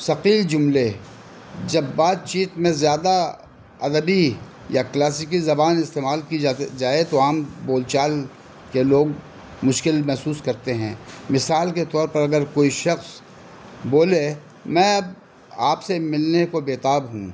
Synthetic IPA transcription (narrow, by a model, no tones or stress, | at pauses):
sɐqiːld͡ʒʊmle | d͡ʒɐbːaːt̪̚t͡ʃiːt̪mẽzjaːd̪a | ɐd̪əbi | jaklaːsɪkizɐbaːnɪst̪eːmaːlkiad͡ʒaːet̪oaːmboːlt͡ʃaːl | keloːɡ | mʊʃkɪlmɛɦsuːskɐɾt̪eɦɛ̃ːmɪsaːlket̪ɔːɾpɐɾɐɡəɾkoːiʃɐxs | boːle | mɛ̃ | aːpsemɪlnekobeːt̪aːbɦṵ̃